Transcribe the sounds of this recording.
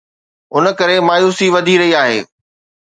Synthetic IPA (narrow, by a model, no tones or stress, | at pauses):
ʊnə̆kɐɾemaːjuːsiʋɐd̪ʱiɾɐɦiaːɦḛː